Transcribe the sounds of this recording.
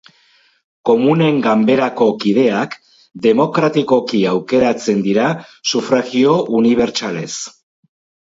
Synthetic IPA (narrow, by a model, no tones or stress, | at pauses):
ko̞mune̞ŋɡambe̞ɾako̞kiðe̞ak | d̪e̞mo̞kɾat̪iko̞kiawke̞ɾat͡se̞nd̪iɾasufɾaɣio̞ʔuniβ̞e̞ɾt͡sale̞s